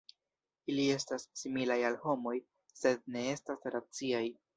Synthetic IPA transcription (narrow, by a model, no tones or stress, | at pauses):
ilie̞stasːimilajalho̞mo̞j | se̞d̚ne̞e̞stasɾat͡siaj